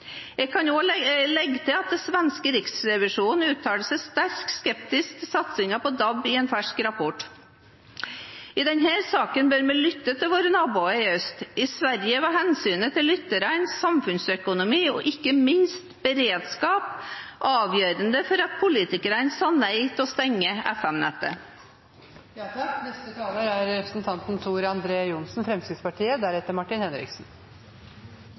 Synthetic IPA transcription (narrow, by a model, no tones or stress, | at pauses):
jɛɡkʰɑnoːlɛɡːət̪ʰɪlɑt̪̚d̪ɛsʋɛnskəɾɪksɾɛʋɪʂuːnn̩ʉːt̪ʰɑːləsɛst̪æɾkskɛp̚t̪ɪsksɑt̪sɪŋɑpʰɔd̪ɑbɪeːnfæʂkɾɑpʰɔʈ | ɪd̪ɛnhæːɾsɑːkənbøːɾmɛlʏt̪ːət̪ʰɪlʋoːɾənɑːbuːəɪœst̪ɪsʋæɾjəʋɑhɛnsyːnət̪ʰɪlːʏt̪ːəɾænsːɑmfʉnsœkʊnʊmiːɔ̰ʔɪkːəmɪnst̪b̥əɾeːd̪skɑːpʔɑːʋjøːɾənd̪əfɔɾɑt̪̚pʰʊliːt̪ɪkəɾənsɑnæɪt̪ʰɔst̪ɛŋːəɛ̰fɛmnɛ̰t̪ːə̰ | nɛst̪ət̪ʰɑːləɾæɾɾɛpɾəsnt̪ʰɑnt̪n̩t̪ʰuːɾəɑnd̪ɾeːjʊnsn̩fɾɛmskɾɪt̪spɑʈʰiːəd̪æɾɛt̪ːəɾmɑʈɪnhɛnɾɪ̰ksn̩